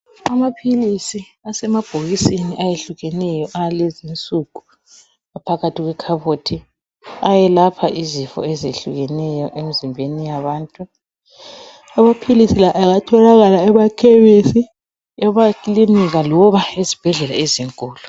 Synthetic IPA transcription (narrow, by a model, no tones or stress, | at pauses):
amapʰilisi | asɛmab̥ʱoɣisiniʔajeɬuɣɛnɛjɔʔalezint͡sʼuku | apʰaɣatʰiɣwɛkʰaβotʰi | ajɛlapʰaʔizifɔ̰ɛzeɬuɣɛnɛjɔʔemizimbʱenijaβaːntʼu | amapʰilisilaʔaɣatʰɔlaɣalaɛβakʰɛβesi | ɛβakilimiɣalɔβaezib̥ʱɛɮɛla̰eziŋkʼɔːlɔ